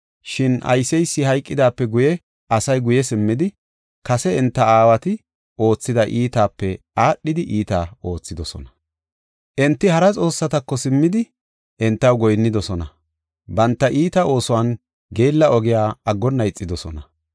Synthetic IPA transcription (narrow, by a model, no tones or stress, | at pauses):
ʃɪnʔɐ̰jsɛjsːɪhɐjkʼːɪd̪aːpːɛɡʊjɛ | ʔɐsɐjɡʊjɛsɪmːɪd̪ɪ | kɐsɛɪnt̪ːɐaːwɐt̪ɪ | ʔo̞ːt͡sːɪd̪ɐʔiːt̪aːpːɛ | aːɗːɪd̪ɪʔiːt̪a̰ːo̞ːt͡sːɪd̪ɔsɔ̰nɐ̥ | ʔɛnt̪ːɪhɐɾɐt͡sʼo̞ːsːɐt̪ɐkːɔsɪmːɪd̪ɪ | ʔɛnt̪ːɐwɡɔjnːɪd̪ɔsɔnɐ | bɐnt̪ːɐʔiːt̪ɐo̞ːsʊwan | ɡe̞ːlːɐʔɔɡɪjaːɐɡːɔnːɐjɪt͡sʼːɪd̪ɔsɔnɐ